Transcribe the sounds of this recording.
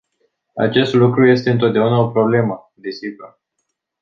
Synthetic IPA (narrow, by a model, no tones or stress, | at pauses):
a̰t͡ʃe̞st̪lukɾuje̞st̪e̞ɨnt̪o̞t̪̚d̪eunao̞pɾo̞ble̞mə | d̪e̞siɡur